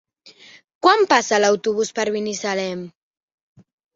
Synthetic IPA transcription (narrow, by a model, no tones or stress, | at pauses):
kwampasalawt̪uβuspaɾβinisalɛm